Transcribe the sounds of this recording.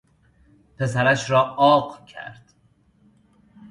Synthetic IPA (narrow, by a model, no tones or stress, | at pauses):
pʰe̞sæɾæʃɾɒːɒːɢcʰæ̰ɾd̪̥